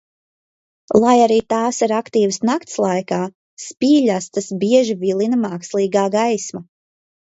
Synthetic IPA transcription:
lˠajaɾiːt̪aːsiɾakt̪iːwsnakt̪slˠajkaː | spiːʎʲast̪asbiɛʒivilˠinamaːkslˠiːɡaːɡajsma

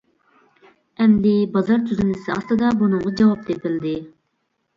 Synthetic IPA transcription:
ɛmd̪ɪbɑzɑɾt̪ʰyzynɪsɪɑ̰st̪ɨd̪ɑbunʊɴʁɑd͡ʒɑwɑp̚d̪epɪld̪ɪ

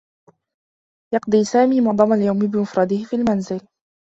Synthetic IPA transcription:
jɑqd̪ˤiːsaːmiːmʊɑʕd̪ˤɑmaljawmɪbɪmʊfɾˤɑd̪ɪhɪfiːlmanzɪl

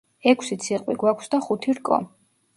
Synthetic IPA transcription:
ɛkʰsit̪sʰiqʼwiɡwakʷʰsd̪aχut̪ʰiɾkʼɔ̰

